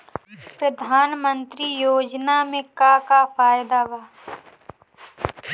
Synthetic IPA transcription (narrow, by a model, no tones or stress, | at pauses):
pɾɐd̪ʱaːnmə̃nt̪ɾijoːd͡ʒnamẽkakapʰaːjd̪aʋaː